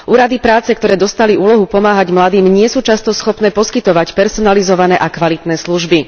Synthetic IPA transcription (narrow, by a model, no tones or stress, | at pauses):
ʔuːɾad̪ipɾaːt͡sɛkt̪ɔɾɛːd̪ɔst̪aliuːlɔɦupɔmaːɦaɟmlad̪iːmɲɪɛsuːt͡ʃast̪ɔsxɔpnɛːpɔskit̪ɔʋacpɛɾsɔnalizɔʋanɛːʔakʋalit̪nɛːsluʒbi